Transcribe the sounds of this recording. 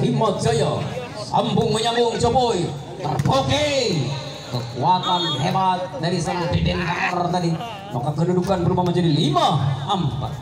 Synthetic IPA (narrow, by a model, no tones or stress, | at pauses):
timɔt̪̚d͡ʒajɔ | a̰mbʊŋməɲaŋʊŋt͡ʃɔboi | t̪ə̰rpɔke | kəkuat̪anɦɛbat̪̚daɾisanaŋbɛdɛnkaŋɔrt̪adi | makakədudukanbəɾupamad͡ʒadilimaampa̰t̪̚